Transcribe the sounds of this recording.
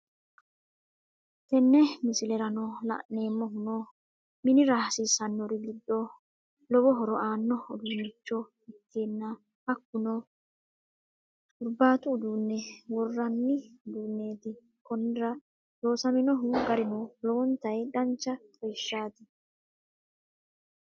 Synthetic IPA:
t̪ɛnːɛmɪsɪlɛɾɐnɔlɐ̰ʔnːe̞ːmːɔɦʊnɔ | mɪnɪɾaːsisɐnːɔɾɪɡɪd̪ːɔ | lɔbɔɦɔɾɔaːnːɔʊd̪unɪt͡ʃːɔ | ɪt̪ʰːeːnːɐ | ɐkːʊnɔ | ʊɾbaːt̪ʊːd̪unːɛwɔrːɐnːɪd̪uːnːe̞ːt̪ɪ | kɔnːɾɐ | doːsɐmɪnɔɦʊɡɐɾɪnɔlɔwɔnt̪ɐjd̪ɐnt͡ʃːɐpʼɔjʃːaːt̪ɪ

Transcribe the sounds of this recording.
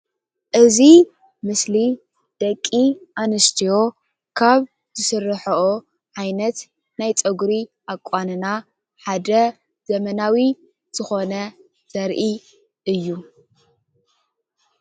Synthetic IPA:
ʔɨzi | mɨsli | d̪̥ɐkʼːiʔanɨst̪ʰijo̞ | kʰaβ | z̥ɨsɨrːɨħɐʔo | ʕajnɐt̪ | najt͡sʼɐɡɾiʔakʼːanɨna | ħad̪ɐ | z̥ɐmɐnawi | z̥ɨxo̞nɐ | z̥ɐɾʔi | ɨjːu

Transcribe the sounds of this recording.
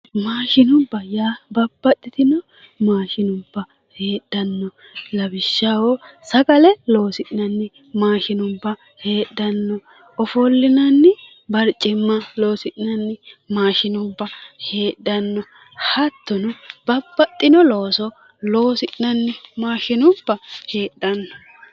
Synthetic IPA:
maːʃɪnʊbːɐjaːbɐb̥ːɐt̪ʼːɪt̪ɪnɔ | maːʃɪnʊbːɐ | heːɗːɐnːɔ | lɐbɪʃːɐwosɐɡɐlɛlo̞ːsɪᶑɪnɐnːɪ | maːʃɪnʊbːɐ | he̞ːɗːɐnːɔ | ɔfɔlːɪnɐnːɪ | bɐɾt͡ʃʼɪmːɐlo̞ːsɪᶑɪnɐnːɪmaːʃɪnʊbːɐhe̞ːɗːɐnːɔ | hɐt̪ːɔnʊb̥ɐbːɐtʼːɪnɔlo̞ːsɔ | lo̞ːsɪʔɪnɐnːɪmaːʃɪnʊb̥ːɐhe̞ːɗːɐnːɔ

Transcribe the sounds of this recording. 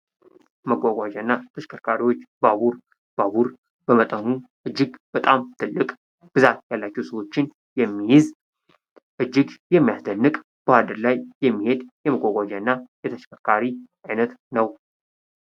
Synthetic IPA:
məɡʷaɡʷad͡ʒanːat̪ʰəʃkʰəɾkʰaɾiwo̞t͡ʃːbaβuɾ | b̥aβuɾ | bəmət̪ʼənuʔɨd͡ʒːɪɡb̥ət̪ʼamt̪ʰɨlːɨkʼ | b̥ɨzat̪jalːat͡ʃːɛwsəwo̞t͡ʃːɪn | jɛmːijɪz | ʔɨd͡ʒːɪɡjɛmːijasd̪ənːɨkʼ | b̥əhad̪əɾlajːɛmːihe̞d̪jɛməɡʷaɡʷad͡ʒanːajɛt̪ʰəʃkʰəɾkʰaɾiʔajnət̪nəw

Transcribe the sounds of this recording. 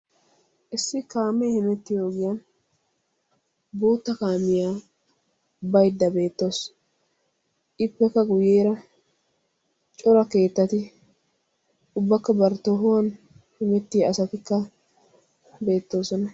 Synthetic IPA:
ʔɪsːɪkaːmːɛjhɪmɛt̪ːɪjo̞ːɡɪjɐn | bo̞ːt̪ːɐkaːmɪjaː | bɐjd̪ːɐbe̞ːt̪ːo̞ːs | ʔɪpːɛkːɐɡʊjeːɾɐ | t͡ʃʼɔɾɐke̞ːt̪ːɐt̪ɪ | ʊbːɐkːɐbɐɾt̪ːoɦʊwɐn | hɪmɛt̪ːɪjɐsɐt̪ɪkːɐ | be̞ːt̪ːo̞ːsɔnɐ

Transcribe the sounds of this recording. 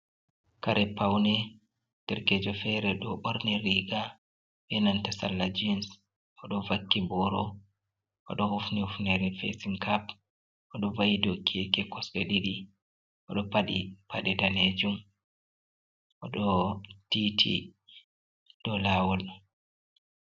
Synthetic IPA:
kaɾʔɛpawnɛ | d̥ɛɾkɛd͡ʒɔfɛɾɛɗɔɓɔɾniɾiɡa | bɛnantasa̰lːad͡ʒins | ʔɔɗɔvakːibɔɾɔ | ʔɔ̰ɗɔhufnihufnɛɾɛfɛ̰siŋkʰap | ʔɔɗɔvajidokʰɛkɛkɔsɗɛ̰ɗiɗi | ʔɔɗɔpaɗipaɗɛdaned͡ʒum | ʔɔɗɔtitʰḭ | ɗɔlaːwɔl

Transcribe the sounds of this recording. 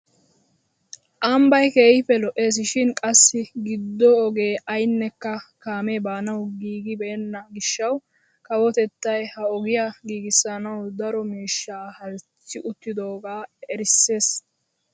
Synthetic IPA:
ʔɐmbɐjke̞ːhɪfɛlɔʔe̞ːs̬ɪʃɪnkʼɐsːɪɡɪd̪ːɔɔɡe̞ːʔɐjnːɛkːɐkaːmeːbaːnɐwɡiːɡɪbɛɛnːɐɡɪʃːɐw | kɐwɔt̪ɛt̪ːɐjhɐɔɡɪjaɡiːɡɪsɐnɐwd̪ɐɾɔmiːʃːaːhɐlt͡sːɪʔʊt̪ːɪd̪o̞ːɡaːɛɾɪsːe̞ːs

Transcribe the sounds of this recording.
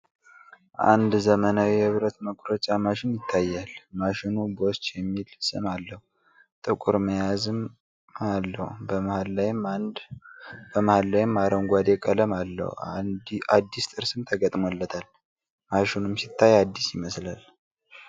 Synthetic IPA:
ʔa̰nd̪zəmənawiɨβɾət̪məkʼɾət͡ʃʼamaʃɪnjɪt̪ʰːajːalmaʃɪnubost͡ʃʼjɛmːilsɨ̰malːəhu | t̪ʼɨkʼuɾməjazɨm | alːəhubəmhalːajm | b̥əmahalːajɪmːaɾəwnɡʷad̪ekʼələmalːə̰hu | ad̪ːist̪ʼɨɾsɨmt̪ʰəɡət̪ʼmolːət̪ʰal | maʃɪnumsit̪ʰːajad̪ːisjɪməslal

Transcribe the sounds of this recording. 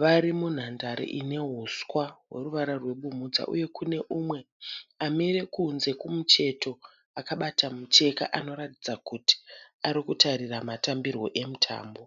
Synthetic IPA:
ʋaɾimun̤andaɾḭʔine̞ɦuskwawe̞̰ruʋaɾarwe̞ɓumud͡za̰ʔṵje̞kune̞ʔumwe̞ | amiɾe̞kunze̞kumut͡ʃe̞to̞ | akaɓatamut͡ʃe̞ka̰ʔano̞ɾatid͡zakuti̥aɾikutaɾiramatambirwo̞̰ʔe̞mutʰa̰ːmbo̞

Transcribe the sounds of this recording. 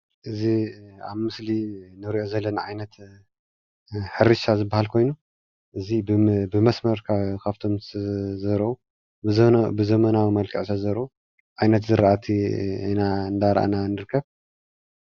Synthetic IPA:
ʔɨziaβmɨslinɨɾʔo̞zɐlːɐnaʕajnɐt̪ | ħɨɾɨʃazɨbːahalkʰo̞jnu | ʔɨzibɨmɐsmɐɾkʰakʰaβt̪ʰo̞mzɐɾɐʔu | bɨzɐmɐnawimɐlkʰɐʕsɐzɐɾɐu | ʕajnɐt̪zɨɾʔat̪ʰiɨnaɨnd̪aɾʔa̰nanːɨɾɨkʰːɐβ

